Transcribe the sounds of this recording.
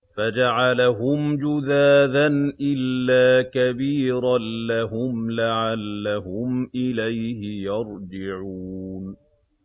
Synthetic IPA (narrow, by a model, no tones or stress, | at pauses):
fad͡ʒaʕalaɦʊmd͡ʒʊðaːðanʔɪlːaːkabiːɾˤanlahʊmlaʕalːaɦʊmʔɪlajhɪjɑɾˤd͡ʒɪʕun